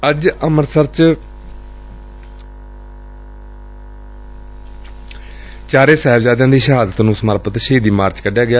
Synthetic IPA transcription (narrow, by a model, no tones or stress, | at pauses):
əd͡ʒəməɾsəɾt͡ʃ | t͡ʃaːɾeːsɛːbzaːd̪jãːd̪iːʃəɦaːd̪ət̪nũːsəməɾpət̪ʃɦiːd̪iːmaːɾt͡ʃkəɖjaːɡɪjaː